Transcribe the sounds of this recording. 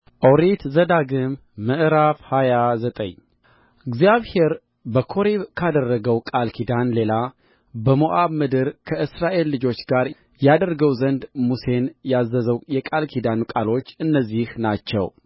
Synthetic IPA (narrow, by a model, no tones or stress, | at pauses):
ʔoɾit̪zəd̪aɡɨmː | ɨʔɾafhajazət̪ʼə̰ɲː | ɨɡzijaβhe̞ɾ | bəkʰo̞ɾekʰad̪ərːəɡəwkʼalkʰid̪anle̞la | bəmoʔaβmɨd̪ɨɾkʰəʔɨsɾaʔe̞lːɨd͡ʒo̞t͡ʃːɡaɾ | jad̪ərɡəwzənd̪muse̞njazːəzəwjɛkʼalkʰid̪anukʼalo̞t͡ʃːɨnːəzːihnat͡ʃːɛ̰w